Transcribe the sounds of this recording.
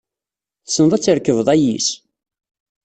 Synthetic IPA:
θsənðˤæt͡sːəɾkəvðˤæjis

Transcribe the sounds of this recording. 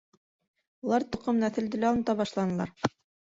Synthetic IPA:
ulˠɑɾt̪ŏqɤmnɑθɘ̆ld̪ɘ̆læɑlˠmɤt̪ɑβɑʃlˠɑnɤ̆lˠɑɾ

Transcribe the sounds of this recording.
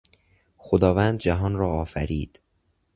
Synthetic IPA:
xod̪ɒːvænd̪̚d͡ʒæɦɒːnɾɒːɒːfæɾiːd̪̥

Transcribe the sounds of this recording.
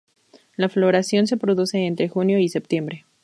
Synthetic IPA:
laflo̞ɾasjo̞ns̬e̞pɾo̞ðuse̞ːnt̪ɾe̞xunjo̞ise̞p̚t̪je̞mbɾe

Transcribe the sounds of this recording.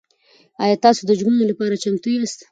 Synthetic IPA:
ɑjɑt̪ɑsod̪əd͡ʒmənolapɑɾat͡ʃamt̪ujast̪

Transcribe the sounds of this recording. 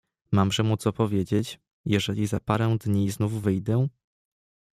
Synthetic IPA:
mamʐɛmut̪sɔpɔvʲjed͡ʑet͡ɕ | jɛʐɛlʲizapaɾɛw̃d̪ɲiznuvːɘjd̪ɛ̃

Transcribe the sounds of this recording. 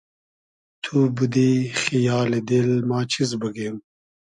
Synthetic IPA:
t̪ʰubud̪iːxijaːled̪elmaːt͡ʃʰizbɐɡem

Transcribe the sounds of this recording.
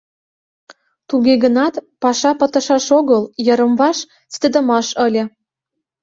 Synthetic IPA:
t̪uɣeɣə̆nɑt̪pɑʃɑpɤ̆t̪ə̆ʃɑʃoɣɤljɤ̆ɾə̆mβɑʃ | sʲt̪ə̆d̪ə̆mɑʃə̆lʲɤ̆

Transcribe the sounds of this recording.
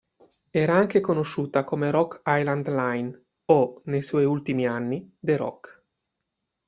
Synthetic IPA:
ɛːɾaaŋk̟ekonoʃːuːt̪akomeɾɔkːajland̪lajn | onejswɔjult̪imianːid̪eɾɔ̰kː

